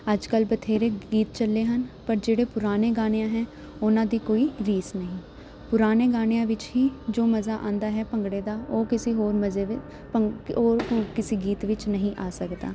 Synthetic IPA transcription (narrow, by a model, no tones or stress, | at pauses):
əd͡ʒkəlbət̪ʰeːɾeːɡiːt̪t͡ʃəlːeːɦənpəɾd͡ʒeːɽeːpʊɾaːneːɡaːɽ̃ejãːɦɛ̃ː | ʊnãːd̪iːkoːiːɾiːsnəɦĩː | pʊɾaːneːɡaːɽ̃ejãːʋɪt͡ʃɦiːd͡ʒoːməzaːʔã̰ːnd̪aːɦɛːpəŋɡɽeːd̪aːoːkɪsiːɦoːɾməzeːʋɪ | pəoːɾkɪsiːɡiːt̪ʋɪt͡ʃnəɦĩːʔaːsəkd̪a̰ː